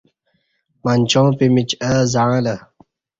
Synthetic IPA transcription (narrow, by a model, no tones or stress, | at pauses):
manʲt͡ɕõːpimit͡ɕɐzãlɐ